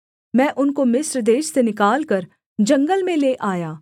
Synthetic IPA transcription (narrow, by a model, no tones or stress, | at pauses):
mɛ̃ːʔʊnkomɪsɾd̪eːʃsenɪkaːlkəɾ | d͡ʒɐ̃ŋɡəlmẽleːʔaːjaː